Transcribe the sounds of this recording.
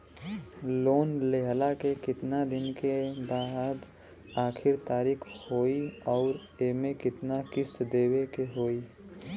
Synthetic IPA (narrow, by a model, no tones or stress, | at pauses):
loːnleɦəlakekɪt̪nad̪ɪnkebaːd̪ | aːkʰɪɾt̪aːɾikʰhoːiɔːɾ | eːmẽkɪt̪nakɪst̪d̪eːwekeɦoːi